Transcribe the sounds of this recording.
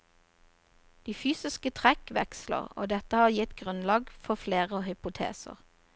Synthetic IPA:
d̪̥iːfyːsɪskət̪ʰʁɛkʋɛkslə̰ʁo̰ːd̪ɛt̪əhɑːʁjɪt̪ɡʁʉnlɑːɡfɔfleːʁəoːhʏpʊt̪ʰḛːsə̰ʁ

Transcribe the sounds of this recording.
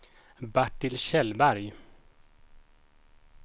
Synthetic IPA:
baʈːɪlɕɛlbæɾj

